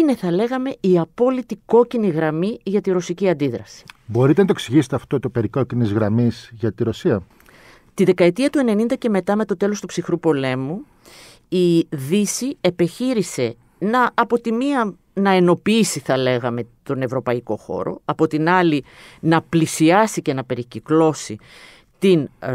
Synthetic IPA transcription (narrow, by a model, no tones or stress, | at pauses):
ine̞θɐle̞ɣɐme̞iɐpo̞lit̪iko̞ciniɣɾɐmiʝɐt̪iɾo̞siciɐnd̪iðɾɐsi̥bo̞ɾit̪enɐt̪oksiʝiset̪eɐft̪o̞t̪opeɾiko̞cinizɣɾɐmizʝɐt̪iɾo̞siɐ | t̪iðe̞kɐe̞t̪iɐt̪ue̞ne̞nind̪ɐce̞me̞t̪ɐme̞t̪o̞t̪e̞lo̞st̪upsixɾupo̞le̞mu | iðisiepe̞çiɾise̞ | nɐːpo̞t̪imiɐ | nɐeno̞piisiθɐle̞ɣɐme̞t̪o̞ne̞vɾo̞pɐiko̞̰xo̞̰ɾo̞̰ɐpo̞t̪inɐlinɐplisiɐsice̞nɐpe̞ɾiciklo̞si | t̪in